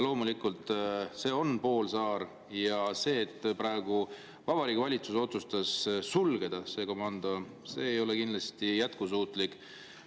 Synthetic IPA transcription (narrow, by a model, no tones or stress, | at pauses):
lo̞ːmulikːult̪ˑse̞ːo̞npo̞ːlsɑːɾ | jɑse̞ːt̪ːˑpɾɑe̞ɡ̥u | vɑb̥ɑɾiːɡivɑlʲit̪suso̞t̪sust̪ɑsːulɡed̪̥ɑse̞ːko̞mɑnd̪̥o̞ | se̞ːjo̞lekind̪lɑst̪ijæt̪kusuːt̪likˑ